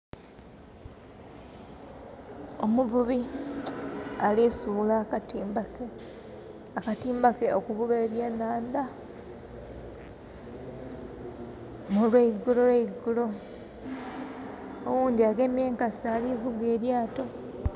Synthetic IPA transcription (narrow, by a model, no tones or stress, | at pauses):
omuβuβi | alisulakatimbake | akatiːmbakeokuβuβeːβjenaːnd̪a | muleiɡuloɾeiɡulo̞ | owuːnd̪iaɡe̞ːmje̞ːŋkasaliβuɡeːɾjaːto̞